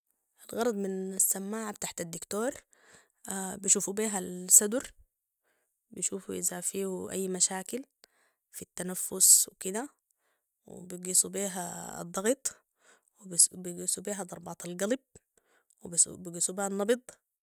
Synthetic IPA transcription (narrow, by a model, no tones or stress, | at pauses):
ʔalɣɑɾˤɑd̪ˤmɪnasːamːaːʕabt̪aħt̪ad̪ːɪkt̪oːɾˤ | abiʃuːfubiːɦalsɑd̪uɾ | biʃuːfuʔɪzafiːhuʔa̰jːmaʃaːkɪl | fit̪ːanafːʊswkid̪a | w̰biɡisubiːɦa̰d̪ˤːɑɣɨt̪ˤ | wbiɡisubiːɦad̪ˤɑɾˤbɑːt̪ˤɑlɡɑlb̚ | wb̰biɡiːsubiːhanːɑbɨd̪ˤ